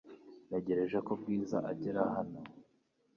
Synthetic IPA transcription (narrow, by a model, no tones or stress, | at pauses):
neɟeɾe̞ʒekob̚ɡiːzaʔaɟiɾahano